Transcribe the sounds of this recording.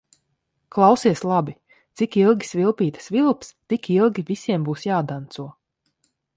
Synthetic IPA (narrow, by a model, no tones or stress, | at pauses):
klˠawsiɛslˠabi | t̪sikilˠɡʲi̥svilˠpiːt̪ḁsvilˠpst̪ikilˠɡʲivisiɛmbuːsjaːd̪ant̪suɔ